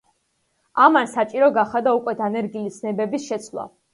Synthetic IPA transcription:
amansat͡ʃʼiɾɔɡaχad̪aukʼwɛd̪anɛɾɡilisnɛbɛbisʃɛt̪sʰlˠa̰

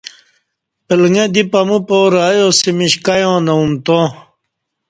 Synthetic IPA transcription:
pilŋed̪ipɐmũpoːɾːjosimiɕkɐjõːnɐumt̪õː

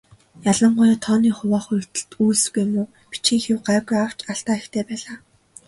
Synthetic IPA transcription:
jaɮə̆ɴɢʊjaːt̪ʰɔːniːχʊwaːχʊ̥t̪ə̆ɬt̪uːsɡujmuː | pi̥t͡ɕĭŋxɪwɢaɡraw̥t͡ɕaɬt̪aːext̪ʰeːpæːɮaː

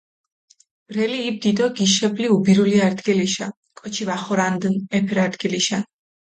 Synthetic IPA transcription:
b̥ɾɛliːb̚d̪id̪ʼɔɡiʃɛbliubiɾuliaɾd̪ɡiliʃa̰ | kʼɔt͡ʃʰivaχɔɾand̪nɛpʰɛɾaɾd̪ɡiliʃan

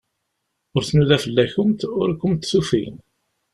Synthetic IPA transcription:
ʊɾθnuðæfəlːæçʊmt̪ʊɾkːʊmt̪sufḭn

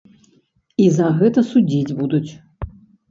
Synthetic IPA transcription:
izɐɣɛt̪ɐsud͡zʲid͡zʲbud̪ut͡sʲ

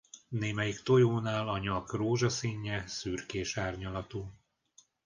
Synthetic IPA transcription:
neːmɛjikt̪o̞joːnaːlɒɲɒkroːʒɒsiɲːɛsyːrkeːʃaːrɲɒlɒt̪uː

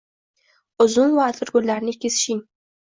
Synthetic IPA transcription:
ʊzʊnvaːt̪ʰɪɾɡʊlːaɾnɪkʲʰesɪ̥ʃɪŋ

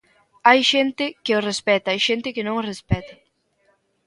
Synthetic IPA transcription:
ajʃɛnt̪ɪkeorespɛt̪aajʃɛnt̪ɪkɪnõŋorespɛt̪a

